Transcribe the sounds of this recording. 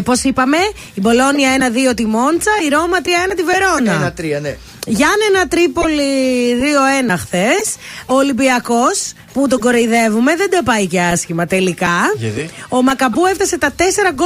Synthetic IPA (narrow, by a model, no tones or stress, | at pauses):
po̞sipɐme̞ | ibo̞lo̞niɐe̞nɐðio̞t̪imo̞nt͡sɐiɾo̞mɐt̪ɾiɐenɐt̪ive̞ɾo̞nɐt̪ɾn | ʝɐnenɐt̪ɾipo̞liðio̞e̞nɐxθe̞soːlibiɐko̞s | put̪o̞ɡo̞ɾeiðe̞vume̞ðed̪ɐpɐiceɐsçimɐt̪e̞likɐ | o̞mɐkɐbueft̪ɐse̞t̪ɐt̪e̞se̞ɾɐɡo